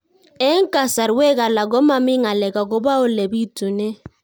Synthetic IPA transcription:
ɛ˦ŋ̩˦ka˨sa˨ɾwe˦ka˨la˨ɡɔ˦ma˦mi˦ŋa˨lɛ˨ka˨ɡɔ˦ba˦o˦le˨bi˦tu˨ne˦

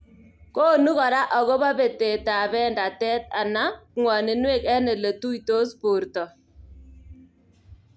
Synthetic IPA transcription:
koː˦˨nu˦kɔ˨ɾa˦ʔɔ˨ɣɔ˦ba˦be˨te˨ta˨bɛ˦nda˨tɛ˦t̚a˨na˦kŋwa˨nɪ˨nwe˦˨kɛ˦nɛ˨le˨tu˦i˨to˦spo˨ɾtɔ˨

